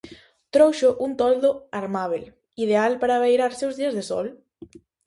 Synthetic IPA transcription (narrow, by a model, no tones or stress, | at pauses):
t̪ɾowʃoʔunt̪ɔld̪oaɾmaβ̞el | ið̞ealpaɾaβejɾaɾsewzðiazðesɔ̰l